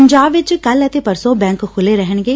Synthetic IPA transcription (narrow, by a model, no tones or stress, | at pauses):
ɲd͡ʒaːbʋɪt͡ʃkələt̪eːpəɾsoːbɛ̃ːŋkkʰʊleːɾɛɦəɳɡeː